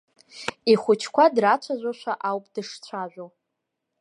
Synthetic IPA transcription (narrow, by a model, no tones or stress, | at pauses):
iχʷʊt͡ʃʰkʷʰadrat͡ʃʷʰaʒʷaʃʷaʔawpʼd̥ɨʂt͡sʷʰaʒᶣʷow